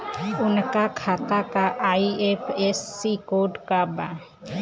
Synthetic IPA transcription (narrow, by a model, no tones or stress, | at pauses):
ʊnkakʰaːt̪akaʔaiepʰesːikoɖkaba